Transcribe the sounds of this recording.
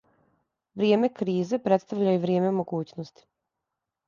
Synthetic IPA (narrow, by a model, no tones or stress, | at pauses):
ʋɾje̞ːme̞kɾiːzepɾet̪st̪aʋʎajuʋɾjeːme̞mo̞ɡuːt͡ɕnost̪i̥